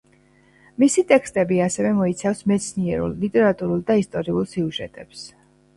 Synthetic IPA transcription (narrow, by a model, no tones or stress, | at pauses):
misit̪ʼɛkʰst̪ʼɛbiasɛvɛmɔit̪sʰafsmɛt̪sʰniɛɾṵlˠːit̪ʼɛɾat̪ʼuɾulˠd̪aist̪ʼɔɾiulˠsiuʒɛ̰t̪ʼɛps